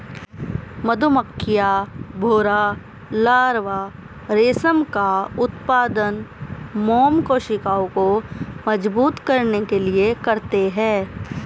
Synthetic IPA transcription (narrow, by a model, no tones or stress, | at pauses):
mɐd̪ʱoməkʰːɪjabʱoːɾa | laːɾʋa | ɾeːsəmkaʊt̪paːd̪ənmɔːmkoːʃɪkaːõkomɐd͡ʒbuːt̪kɐɾnekeliekɐɾt̪eɦɛ̃ː